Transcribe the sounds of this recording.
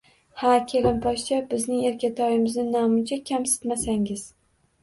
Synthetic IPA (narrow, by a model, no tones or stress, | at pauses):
hakʲʰelɪmpʰɒʃt͡ʃʰabɪznɪŋe̞ɾkʲat̪ʰɒjɪmɪznɪnɒmɪnt͡ʃʰakʲʰamsɪ̥t̪masaŋɪz̥